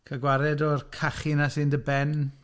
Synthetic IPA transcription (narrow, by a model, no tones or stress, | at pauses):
kʰəɡwaɾɛdɔrkʰaχɪnasɨndəbɛn